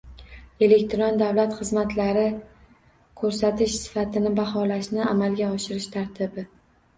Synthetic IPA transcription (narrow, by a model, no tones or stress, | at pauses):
e̞le̞kʲt̪ʰɾɒnd̪avlat̪χɨzmat̪ʰlaɾɪ | kʰɵɾsat̪ʰɪʃsɪ̥fat̪ʰɪnɪbahɒlaʃnɪamalɡʲaɒʃɪɾɪʃt̪ʰaɾt̪ʰɪbɪ